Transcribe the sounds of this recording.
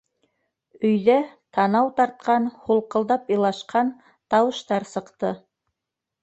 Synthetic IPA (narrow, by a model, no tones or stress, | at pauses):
ɵ̆jðæt̪ʰɑnɑwt̪ɑɾt̪̚qɑnhulˠqɤ̆lˠd̪ɑpɤlˠɑʃqɑn | t̪ɑwɤ̆ʃt̪ɑɾsɤ̆qt̪ɤ